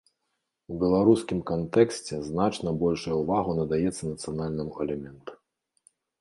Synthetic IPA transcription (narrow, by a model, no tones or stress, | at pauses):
ubʲɛlˠaɾuskʲimkant̪ɛksʲt͡sʲɛznat͡ʂnɐbɔlʲʂujɐuvaɣunɐd̪ajɛt̪sːɐnɐt̪sɨjanalʲnɨmuɛlʲɛmʲɛnt̪u̥